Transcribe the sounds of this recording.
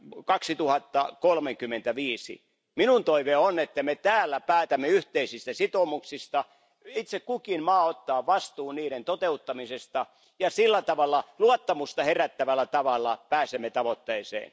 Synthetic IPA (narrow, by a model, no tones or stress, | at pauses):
kɑksit̪uhɑt̪ːɑkolmeŋkymːˑent̪æʋiːsḭ | minunt̪oiʋeonet̪ːæmet̪æːlːæpæːt̪æmːeyht̪eisist̪æsit̪omuksist̪ɑ | it̪sekkukinmɑːot̪ːɑːʋɑst̪uːnniːɾent̪ot̪eut̪ːɑmisest̪ɑ | jɑsilːæt̪ɑʋɑlːɑluɑt̪ːɑmust̪ɑheræt̪ːæʋælːˑæt̪ɑʋɑlːɑpæːsemːet̪ɑʋot̪ːeːsḛːn